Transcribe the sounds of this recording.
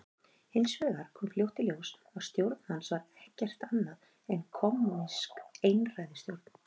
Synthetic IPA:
hɪnsvʏːɣaɾ̥kʰɔːmfljowht̪ɪljows | ɔɣst̪jowɾt̪n̥hansvaɾɛhcɛr̥t̪anːað | ɛnkʰɔmuniskejnrajðɪst̪jowɾt̪n̥

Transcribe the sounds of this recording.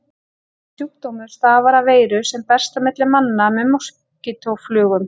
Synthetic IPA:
sjuk̚t̪owmʏɾ̥sθaːvaɾaveːjɾʏsɛmpɛ̥st̪amɪt̪lɪmanːamɛðmɔs | cɪt̪ʰowflʏːɣʏm

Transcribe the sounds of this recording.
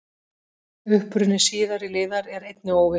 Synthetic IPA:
ʏhpɾʏnːɪsiːðaɾilɪːðaɾɛɾejt̪nɪoːwvɪ

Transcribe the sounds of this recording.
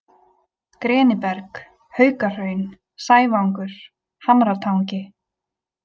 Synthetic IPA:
kɾɛːnɪpɛɾk | hœːɥkar̥œɥn | saːjvawŋkʏɾ̥ | hamɾat̪ʰawɲcɪ

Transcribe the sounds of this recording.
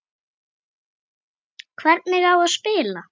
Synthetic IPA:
kʰvɛɾt̪nmɪɣawaðspɪːla

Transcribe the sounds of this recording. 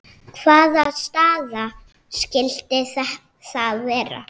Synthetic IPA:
kʰv̥aːðast̪aːða | scɪlt̪ɪθɛh | θaðvɛːɾa̰

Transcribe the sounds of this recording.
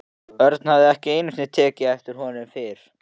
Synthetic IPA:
œɾt̪n̥havðɪɛhcɪeːjnʏsnɪt̪ʰɛːcɪɛft̪ɪɾ̥ɦɔnʏmfɪɾ̥

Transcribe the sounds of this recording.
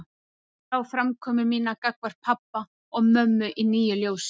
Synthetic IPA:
θawfɾamkʰɔːmʏɾmiːnakakvaɾ̥pʰapːa | ɔɣmœmːʏʔiniːjʏljoːws

